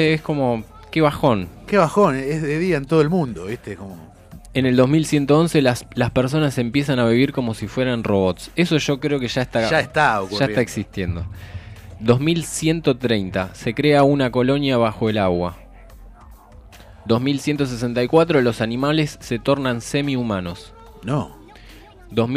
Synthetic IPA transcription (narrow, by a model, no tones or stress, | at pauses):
eesko̞mo̞ | ke̞βaxo̞nkeβaxonezðeðiaent̪oð̞oelmũnd̪oest̪ekomo | ene̞ld̪o̞ɦmilsje̞nt̪oo̞nse̞laslaspeɾs̬o̞nase̞mpje̞sanaβiβiɾko̞mo̞sifwe̞ɾanro̞βo̞t̪se̞so̞ʒo̞kɾeo̞keʒaest̪aʒaet̪aokuaest̪aeksist̪je̞nd̪o̞ | d̪o̞zmilsje̞nt̪o̞t̪ɾejnt̪ase̞kɾe̞aunako̞lo̞njaβ̞axo̞elaɣwa | d̪o̞zmilsjent̪o̞s̬es̬e̞nt̪ajkwat̪ɾolo̞sanĩmale̞sːe̞t̪o̞ɾnanse̞miumano̞s | no | d̪om